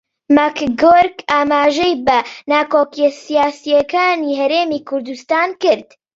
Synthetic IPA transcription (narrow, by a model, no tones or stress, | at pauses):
makɡoːɾkaːmaːʒɛjbɐnaːkoːkijɛsijaːsijɐkaːniːɦɐɾeːmiːkʰʊɾd̪ust̪aːnkɨɾd̪